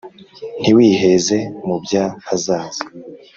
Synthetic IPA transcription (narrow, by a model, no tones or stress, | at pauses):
n̥iwiːhe̞ze̞mubjahazaːze